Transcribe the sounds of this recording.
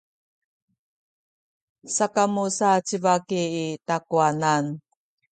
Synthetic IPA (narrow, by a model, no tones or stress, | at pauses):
sakamusat͡ɕivakiːtakuanan